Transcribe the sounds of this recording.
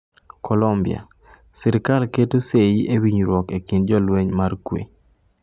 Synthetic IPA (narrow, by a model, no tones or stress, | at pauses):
kʰɔlɔmbɪ̰a̰ | sɪɾɪkalketoseiʔewiɲɾwɔkekind͡ʒɔlweɲmarkwḛ